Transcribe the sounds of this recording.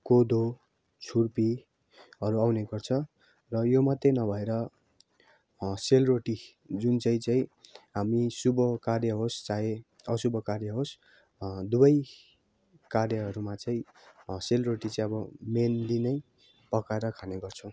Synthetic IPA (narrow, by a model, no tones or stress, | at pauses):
kod̪o | t͡sʰurpi | ɦʌɾuawneɡʌrt͡sʰʌ | rʌjomʌt̪ːenʌbʱʌeɾʌ | selroʈi | d͡zunt͡saĩt͡saĩɦamisubʌkarjʌɦost͡sae | ʌsubʌkarjʌɦos | d̪ubʌj | karjʌɦʌɾumat͡saĩ | selroʈit͡saĩʌbʌmenlinʌj | pʌkaeɾʌkʰaneɡʌrt͡sʰʌ̃w̃